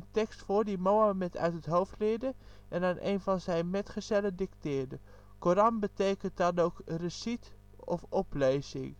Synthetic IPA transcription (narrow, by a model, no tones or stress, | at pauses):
əntɛkstfʊːrdimowamɛtʰœ̰ɥtətɦowftlɪdə | ʔɛnanʔḛjnvɑnzɛjnmɛtχəzɛlədɪktɪːɹdə | koɾɑnbətejkənt̚dɑnowkrəsit | ɔfɔplejzɪ̰ŋ